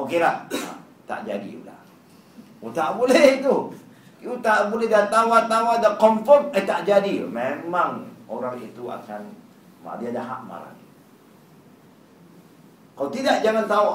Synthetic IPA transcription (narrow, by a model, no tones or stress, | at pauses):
okelaha̰ | t̪a̰ʔd͡ʒadḭla̰ | ut̪aʔbulɛht̪u | ut̪aʔbulɛhdat̪awat̪awadakɔmfɔrtət̪aʔd͡ʒadimemaŋoɾaŋit̪ua̰kan | ma̰diadaɦa̰ʔma̰ɾa̰ni | kaut̪idaʔd͡ʒaŋant̪ao